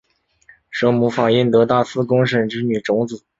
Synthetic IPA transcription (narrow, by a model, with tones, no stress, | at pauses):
ʂɤ˧˥ŋmu˧˥fɑ˨˩ŋi˥˩nt̪ɤ˧˥t̪a˥˩sɹ̩˥kʊ˥ŋʂə˧˩nʈ͡ʂɻ̩˧˥ny˨˩ʈ͡ʂʊ˧˥ŋt͡sɹ̩˨˩˦